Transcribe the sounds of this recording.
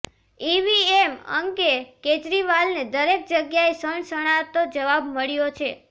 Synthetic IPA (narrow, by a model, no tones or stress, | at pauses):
iʋiemə̰ŋkeked͡ʒɾiʋalned̪əɾek̚d͡ʒəɡjaesəɳsəɽ̃at̪od͡ʒəʋabməɭjot͡ʃʰe